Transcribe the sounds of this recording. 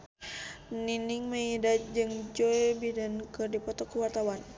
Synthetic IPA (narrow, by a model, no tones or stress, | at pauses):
niniŋməidad͡ʒɨŋd͡ʒɔibidənkɨrdipɔt̪ɔkːəwart̪awan